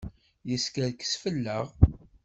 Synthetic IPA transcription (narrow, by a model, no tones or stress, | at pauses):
jəskəɾkə̥sfəlːəʁ